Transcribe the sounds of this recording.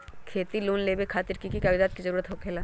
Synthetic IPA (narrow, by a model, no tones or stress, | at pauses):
kʰeːt̪iloːnleːbekʰaːt̪ɪɾkikikabid̪aːt̪̚kizəɾuːɾət̪ɦoːkʰeːlaː